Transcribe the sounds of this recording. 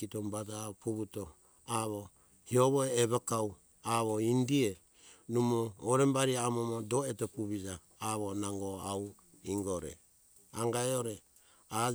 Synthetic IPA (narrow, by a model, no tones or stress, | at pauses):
itombad͡ʒapuβuto | aβo | hioβoeːβakaw | aβoindie | numoːɾembaɾiaamomodoetopuβid͡ʒaː | βonaŋɡoaw | iŋɡoɾḛ | aŋɡaeoɾe | a